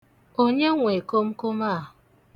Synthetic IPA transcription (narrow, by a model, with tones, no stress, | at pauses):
o˦ɲe˦ŋʷe˨ko˦m̩˦ko˦ma˦˨ɦʊ˨